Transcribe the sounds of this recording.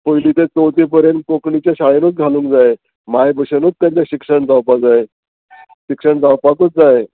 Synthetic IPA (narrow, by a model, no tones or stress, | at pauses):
pəɦiliːt̪et͡sowt̪ipəɾenkokɳit͡ɕjaɕaɭenuːt͡sɡʱalũːŋkd͡zae | majbəɕenuːt͡st̪ãt͡seɕikʂəɳd͡zawpad͡zae | ɕikʂəɳd͡zawpakuːt͡s̚d͡zae